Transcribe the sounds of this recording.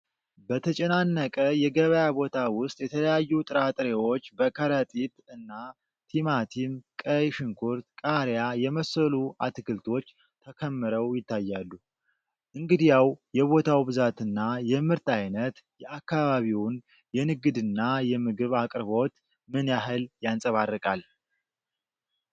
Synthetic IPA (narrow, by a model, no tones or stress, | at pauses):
bət̪ʰət͡ʃʼɛnanːəkʼəjɛɡəβəjabo̞t̪ʰawʊst̪ʼjɛt̪ʰələjajːut̪ʼɨɾat̪ʼɾewo̞t͡ʃːbəkʰəɾət̪ʼit̪ɨnːa | t̪ʰimat̪ʰimkʼəjʃɨŋkʰuɾt̪kʼaɾjajɛməsəlua̰t̪ɨkʰɨlt̪ʰo̞t͡ʃː | t̪ʰəkʰəmːɨɾəwjɪt̪ːajːalːu | ʔɨŋɡɨd̪ijawjɛβo̞t̪ʰawbɨzat̪ɨnːajɛmɨɾt̪ajnət̪ | jɛakːaβaβiwn | jɛnɨɡɨd̪ɨnːajɛmɨɡɨβakʼɾβo̞t̪ | mɨnjaɦɨljansʼəβarːɨkʼal